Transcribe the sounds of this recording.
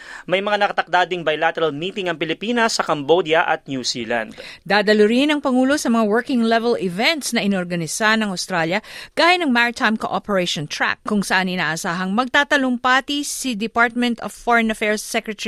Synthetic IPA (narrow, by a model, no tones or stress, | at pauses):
mɐjmɐŋanɐkɐt̪ɐk̚d̪aːd̪ɪŋbɐjlat̪ɛɾɐlmiːt̪ɪŋɐŋpɪlɪpiːnɐsːɐkɐmbod̪jɐʔɐ̰t̪̚njusḭːlã̰nd̪d̪aːd̪ɐlʊɾɪnɐŋpɐŋuːlo̞sɐmɐŋawɛɹkɪŋlɛvɛlɪvɛnt̪snɐʔɪnoɾɡɐnɪsanɐŋawst̪ɾaljɐɡ̥aːjɪnɐŋmaɹɪt̪ʰajmkoʔopɛɹeʃont̪ɹa̰kːʊŋsɐʔanʔɪnaːʔɐsaːɦɐŋmɐɡ̚t̪aːt̪ɐlʊŋpaːt̪isid̪ɪpaɹt̪̚mɛ̃nt̪ov̥foɹɛnɐfɛɹsːɛkɹɛt̪ɛi